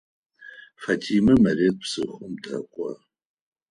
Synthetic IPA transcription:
fɐtʰiːmɐmɐɾeːt̚pʰsɨ̰ʊmtʰʼɐ̰kʷʼɐ̰

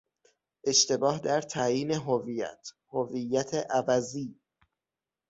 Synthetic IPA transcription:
ʔe̞ʃt̪e̞bɒːhd̪æɾt̪ʰæːjiːne̞ɦovijæ̰t̪ʰ | hovijːæt̪ʰeʔævæziː

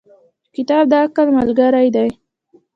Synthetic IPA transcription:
kɪt̪ɑb̚d̪ɑkalməlɡaɾajd̪aj

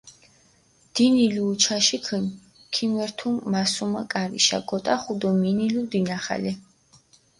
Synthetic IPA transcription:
d̪̥iniliːt͡ʃʰaʃikʰən | kʰimwɛɾt̪ʰumːasumakʼaɾḭʃa̰ɡɔt̪ʼaχud̪ɔminilid̪inaχa̰lɛ

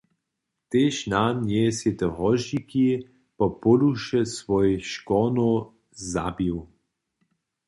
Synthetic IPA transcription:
t̪eʃnanjɛset̪ɛɦɔʒiki | pɔpɔluʃɛsvɔjʃkɔno | za̰biw

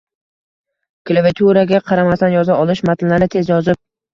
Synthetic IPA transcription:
kʰlˠavet̪ʰuɾaɡʲaqʰɑɾamast̪anjɒzaɒlˠɪʃmat̪ʰɪllanɪt̪ʰe̞zjɒzɪp̚

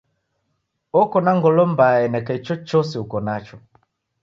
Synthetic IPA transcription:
ɔkɔnaŋɡɔlɔmbaɛnɛkait͡ʃɔt͡ʃɔsiukɔnat͡ʃɔ

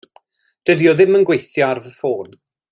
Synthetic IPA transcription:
d̥ədioðɪmənɡwejθjaarvəfoːn

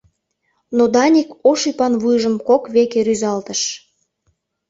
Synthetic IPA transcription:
nod̪ɑnʲikoʃipɑnβujʒəmkokβekeɾyzɑlt̪əʃ

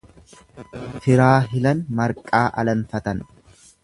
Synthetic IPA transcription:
fɪɾaːɦɪlɐnmɐɾkʼaːʔɐ̰lɐnfɐt̪ɐn

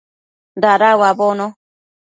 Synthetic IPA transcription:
daɾawabono

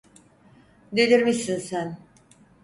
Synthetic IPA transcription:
d̪elʲiɾmisinsæn

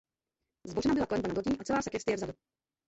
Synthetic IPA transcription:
zbo̞ʒɛnabɪlaklɛnvanadlociːʔat͡sɛlaːsɛkjɛst̪ɪjɛvzadu

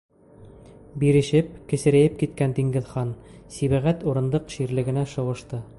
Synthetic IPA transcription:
biɾɘ̆ʃɘp̚kɘ̆sɘ̆ɾæjɘp̚kit̪̚kænd̪iŋɡɘ̆ðχɑnsiβæʁæt̪uɾɤ̆nd̪ɤqʃiɾlɘ̆ɡɘ̆næʃɤ̆wɤ̆ʃt̪ɤ

